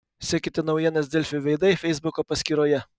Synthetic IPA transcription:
sʲiːkʲɪt̪ʲɪnɒʊjiɛnɐs̬ʲd̪ʲɛlʲfʲʊʋʲɛɪd̪ɐɪfʲɛɪzbʊkoːpɐsʲkʲiːɾoːjɛ

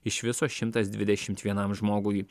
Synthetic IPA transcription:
ɪʃʋʲɪsoːsʃʲɪmt̪ɐsd̪ʲʋʲɪd̪ʲɛʃʲɪmt̪ʋʲiɛnɐmʒmoːɡʊj

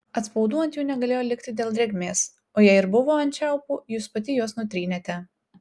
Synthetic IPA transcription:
ɐt̪spɔʊd̪uːjɛnt̪juːnʲɛɡɐlʲeːjoːlʲɪkt̪ʲɪd̪ʲeːlʲˠd̪ɾʲɛɡʲmʲeːs | oːjɛɪɪɾbʊʋoːɐnʲt͡ʃʲɛˑʊpuːjuːspɐt̪ʲɪjuɔsnʊt̪ʲɾʲiːnʲet̪ʲɛ

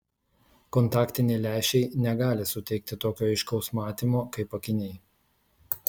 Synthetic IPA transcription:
kɔnt̪ɑːkt̪ʲɪnʲɛɪlʲæˑːʃʲɛɪnʲɛɡɑːlʲɪsʊt̪ʲɛɪk̚t̪ʲɪt̪oːkʲoːɪʃkɐʊsmɑːt̪ʲiːmoːkɐɪpɐkʲɪnʲɛɪ

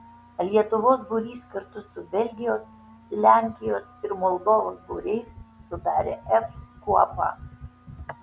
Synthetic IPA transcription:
lʲiɛt̪ʊʋoːsbʊɾʲiːskɐɾt̪ʊsʊbʲɛlʲɡʲɪjoːs | lʲæˑŋʲkʲɪjoːsɪɾmɔlˠd̪oːʋoːsbṵːɾʲɛɪsːʊd̪ɑːɾʲeːʔɛfkuɔpɑ̰ː

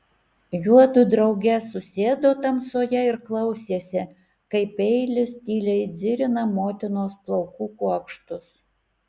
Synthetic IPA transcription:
juɔt̪ʊd̪ɾɐʊɡʲɛsʊsʲeːd̪oːt̪ɐmsoːjɛɪɾklˠɐʊsʲeːsʲɛ | kɐɪpɛɪlʲɪst̪ʲiːlʲɛɪd̪zʲɪɾʲɪnɐmoːt̪ʲɪnoːsplˠɐʊkuːkuɐkʃt̪ʊs

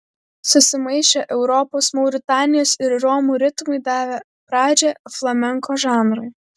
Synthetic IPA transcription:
sʊsʲɪmɐjʃʲɛʔɛʊɾɔpɔsmɐʊɾʲɪt̪ɑnʲɪjɔːsɪɾːɔmuɾʲɪt̪mʊjd̪ɑːʋʲɛ | pɾɑːd͡ʒʲɛflˠɐmʲɛŋkʰɔʒɑnɾɨj

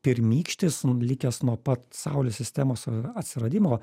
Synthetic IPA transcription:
pʲɪɾmʲiːkʃʲt̪ʲɪslʲɪkʲɛsnuɔpɐt̪sɐʊlʲoːsʲɪsʲt̪ʲæmoːsɐt̪ʲsʲɪɾɐd̪ʲɪmoː

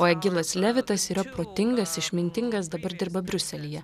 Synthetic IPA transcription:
oːɛɡʲɪlˠɐslʲæʋʲɪt̪ɐsiːɾɐpɾoːt̪ʲɪŋɡɐsɪʃʲmʲɪnʲt̪ʲɪŋɡɐsd̪ɐbɐɾd̪ʲɪɾbɐbʲɾʲʊsʲɛlʲiːjɛ

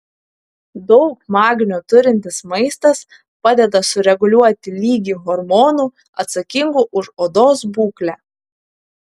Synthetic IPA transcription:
d̪ɒʊk̚mɑːɡʲɪnʲoːt̪ʊɾʲɪnʲt̪ʲɪsmɐɪst̪ɐs | pɑːd̪ʲɛd̪ɐsʊɾʲɛɡʊlʲuɔt̪ʲɪlʲiːɡʲiːɣɔɾmɔːnuː | ɐt̪sɐkʲɪŋɡuʔʊʃoːd̪oːs̬buːklʲæː

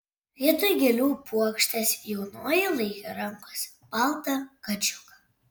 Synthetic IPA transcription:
lʲiɛt̪ʊjɡʲɛlʲuːpuɔkʃʲt̪ʲɛsʲjɛʊnoːjɪlˠɐɪkʲoɾɐŋkosʲ | pɑˑlˠt̪ɐkɐd͡ʒʲʊkɐ̥

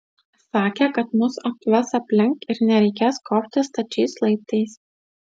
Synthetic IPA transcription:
sɑːkʲɛkɐt̪mʊsɐkt̪ʊʋʲɐsɐpʲlʲɪŋkɪɾnʲɛɾʲɛɪkʲeːskɔːpʲt̪ʲɪst̪ɐt͡ʃʲɛɪslˠɐɪt̪ɐɪs

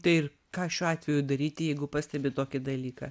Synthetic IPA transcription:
t̪ɐɪɪr | kɑːʃʲuːɑːt̪ʲʋʲɛjud̪ɐɾʲiːt̪ʲɪjɛɪɡʊpɑsʲt̪ʲɛbʲɪt̪oːkʲɪd̪ɐlʲiːkɐ̰

